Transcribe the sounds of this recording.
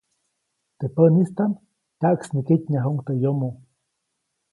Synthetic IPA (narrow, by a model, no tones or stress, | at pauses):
t̪epənist̪an | t̪aʔksnikitʲɲaɦuŋt̪ejomo